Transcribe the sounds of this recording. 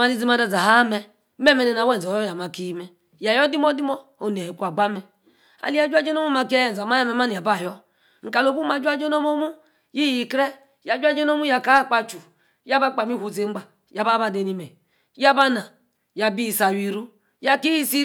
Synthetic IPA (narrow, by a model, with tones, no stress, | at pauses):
a˦ni˦zi˦ma˦da˦za˨ɦa˦mɛ˦ | me˦mɛ˨ne˨na˨wɛ˦n˨zɔ˨jɔ˦ja˨ma˨ki˦mɛ˨ | ja˨jɔ˦di˦mɔ˦di˦mɔ˦o˨n˨e˨i˨kʷa˨ɡ͡ba˦mɛ˨ | a̰˨li˦a˦d͡ʒu˦a˦d͡ʒo˦no˦mu˦ma˨˦ki˦ja˨a˨ma˦ja˦mɛ˨m˦a˦ni˨a˨ba˦˨jɔ˦ | ŋ̩˨ka˨lo˨bu˦ma˨d͡ʒu˦a˦d͡ʒo˦no˦mo˦mu˦ | ji˦i˨kɾɛ˦ | ja˨˦d͡ʒu˦a˦d͡ʒɔ˦no˦mu˦ja˨ka˦˨k͡pa˨t͡ʃu˨ | ja˦ba˦k͡pa˨mi˦hu˨ze˨˦ŋ͡m̩˦ɡ͡ba˨ | ja˨ba˦ba˦˨de˨ni˨mɛ˨ | ja˦ba˦na˨ | ja˨bi˦˨sa˨wi˨ɾu˦ | ja˦ki˦i˦si˦